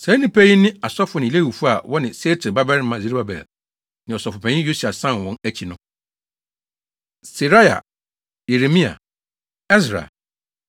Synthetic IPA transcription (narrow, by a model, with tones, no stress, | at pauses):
sɛ̃˨˦nĩ˦pʰæ˦ji˦nɪ̃˦a˨sɔ˦fʊ˨nɪ̃˨le˦˨wu˨fu˦a̰˨wɔ˦nɪ̃˨se˦tʰɪ˨ba˦bɛ˦ɾmã˨zi˦ɾba˦bɛ̰˨l | nɪ̃˨ɔ˨sɔ˨fʊ˨pʰɛ̃˨˦ɪ̃˦jo˦su˨a˨sã˦n˨wɔ̃˨næ˦t͡ɕʰi˨nʊ̃˦ | si˨ɾa˦ja̰˨ | je˨ɾe˨mĩ˦a̰˨ | ɛ˦s̬ɾa̰˨